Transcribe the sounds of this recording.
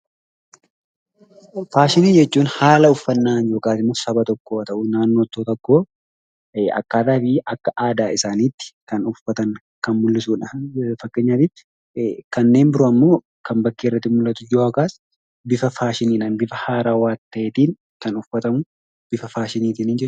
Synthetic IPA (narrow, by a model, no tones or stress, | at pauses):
faːʃɪniːd͡ʒɛt͡ʃːuːnhaːlɐʊfːɐnːaːnjo̞ːkʼaːt̪ɪmːʊsɐbɐt̪ɔkːoːɐt̪ɐʔʊnaːnːoːt̪ːoːt̪ɐkːoː | ɐ̰kːaːt̪aːfɪʔɐkːɐʔaːd̪aːɪsaːniːt̪ːɪ̥kɐnʊfɐt̪ɐŋ | kɐnmʊlːɪsuːnɐfɐkːeːɲːaːt̪ɪt̪ːɪ̥ | kɐnːe̞ːnbɪɾʊɐmːo̞ː | kɐmbɐkːeːɪrːɐt̪ːɪmʊlːɐt̪ʊjoːɐkaːs | bɪfɐfaːʃɪniːᶑaːnbɪfɐhaːɾaːwaːt̪ːɐʔeːt̪iːn | kɐnʊfɐt̪ɐmʊ | b̥ɪfɐfaːʃɪniːt̪iːniːnd͡ʒɛt͡ʃːʊ